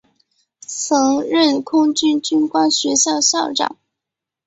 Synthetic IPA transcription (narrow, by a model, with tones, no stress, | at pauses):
t͡sʰɤ˧˥ŋɻə˥˩nkʰʊ˥ŋt͡ɕy˥nt͡ɕy˥nkwa˥nɕɥɛ˧˥ɕjɑ˥˧ʊɕjɑ˥˩ʊʈ͡ʂɑ̰˨˩˦ŋ